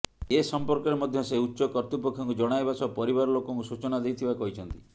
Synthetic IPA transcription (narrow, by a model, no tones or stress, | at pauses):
esɔmpɔɾkɔɾemɔd̪ʱjɔseutːʃɔkɔɾt̪upɔkʰːjɔŋkud͡ʒɔɽ̃ajbasɔpɔɾibaɾɔlokɔŋkusut͡ʃɔnad̪ejt̪ʰibakɔɦit͡ʃʰɔnt̪i̥